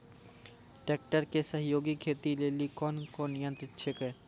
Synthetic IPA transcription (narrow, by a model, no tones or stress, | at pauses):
ʈeːk̚ʈəɾkesəɦjoːɡikʰeːt̪ileːlikɔːnkonɪjə̃nt̪ɾɪt̪t͡ʃʰekeː